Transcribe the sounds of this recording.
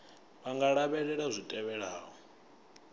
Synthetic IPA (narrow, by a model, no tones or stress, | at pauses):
βaŋɡaɺaβɛɺɛɺazʷitʼɛβɛɺaːɦɔ